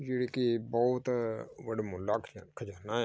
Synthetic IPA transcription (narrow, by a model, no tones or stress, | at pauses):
d͡ʒeːɽeːkibɔːt̪ʋəɖmʊlːaːkʰːkʰəd͡ʒaːnaː